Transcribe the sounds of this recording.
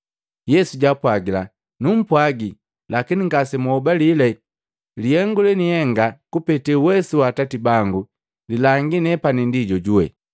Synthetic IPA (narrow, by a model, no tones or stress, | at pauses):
jɛsuɟapwaɡila | num̩pwaɡi | lakiniŋɡasɛmɔubalilɛ | lihɛŋɡulɛnihɛŋɡakupɛtɛuwɛsuwatatibaŋɡu | lilaŋɡinɛpanindiɟɔɟuwɛ̰